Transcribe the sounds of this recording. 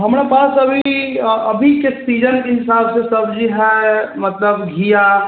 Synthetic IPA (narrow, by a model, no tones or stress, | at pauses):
ɦɐmɾepaːsɐbʱiɐbʱikeksiːd͡ʒənkeɦɪsaːbsesɐbd͡ʒiɦɛmɐt̪ləbɡʱija